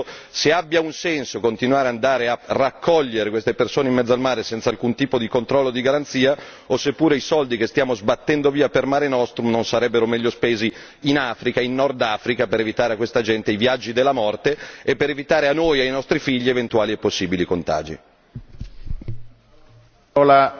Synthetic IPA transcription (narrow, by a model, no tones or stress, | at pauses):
seabːjaunsɛnsokont̪inuwaːɾeand̪aːɾearakʰːɔʎːeɾekwest̪epersoːneimːɛd̪zoalmaːɾesɛnt̪salkunt̪iːpod̪ikont̪ɾɔlːod̪iɡaɾant̪siːa | osepːuːɾeisɔld̪ikest̪jaːmozbat̪ːɛnd̪oviːapermaːɾenɔst̪ɾumnonsaɾɛbːeɾomɛʎːospeːzi | inaːfɾikainːɔrd̪aːfɾikapeɾevit̪aːɾeakːwest̪ad͡ʒɛnt̪eivjad͡ʒːid̪elːamɔrt̪eepːeɾevit̪aːɾeanojajnɔst̪ɾifiʎːievent̪uaːliepːosːiːbilikont̪a̰ːd͡ʒḭ | la